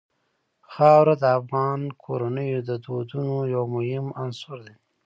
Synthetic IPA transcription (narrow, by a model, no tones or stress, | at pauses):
xɑwɾad̪əafɣɑnkʰoɾanəjod̪əd̪od̪unojawmʊhɪmansʊɾd̪e